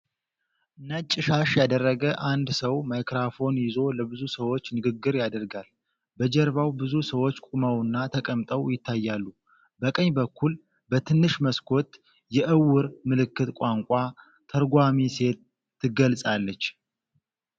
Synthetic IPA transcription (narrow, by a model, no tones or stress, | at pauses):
ʔɨnːat͡ʃʼːɪʃaʃjad̪ərːəɡəʔand̪səwmajkɾafo̞njɪzo̞ləbɨzusəwo̞t͡ʃːnɨɡɨɡːɨɾjad̪əɾɡal | bəd͡ʒɛɾβawbɨzusəwot͡ʃːkʷʼumawɨnːat̪ʰəkʼəmt̪ʼəwjɪt̪ʰːajːalːu | bəkʼəɲːbəkʰːul | bət̪ʰɨnːɨʃməskʰo̞t̪ | jɛʔɨwːɨɾmɨlɨkːɨt̪kʷʼaŋkʷʼa | t̪ʰəɾɡʷamise̞t̪ː | ɨɡəlsʼalːət͡ʃː